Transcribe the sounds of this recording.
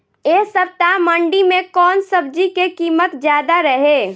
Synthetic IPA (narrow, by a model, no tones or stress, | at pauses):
eːsəp̚t̪aməɳɖimẽkɔːnsəb̚d͡ʒikekiːmət̪d͡ʒjaːd̪aɾəɦeː